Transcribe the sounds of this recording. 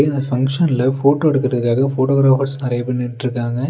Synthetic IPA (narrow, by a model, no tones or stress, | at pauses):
ɪnd̪ɐfɐŋkʂɐnɪlɐfoːʈːoːɛɽɯkːɯɾɐðɯkːaːɣɐfoːʈoːɡɾaːfɐɾsnɪɾɐjɐpːɐnːɪʈʈːɾɯkːaːŋɡɐ